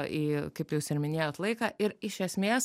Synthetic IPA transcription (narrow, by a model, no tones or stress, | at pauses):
ʔiːkɐɪpjɛʊsɪɾmʲɪnʲeːjoːt̪lˠɐɪkɑːʔɪɾɪʃʲɛsʲmʲeːs